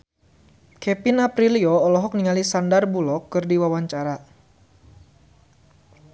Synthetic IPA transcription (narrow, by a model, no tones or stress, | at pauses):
kɛpinapɾiliɔːlɔɦɔk̚niŋalisandarbulɔkːɨrdiwawaɲt͡ʃaɾa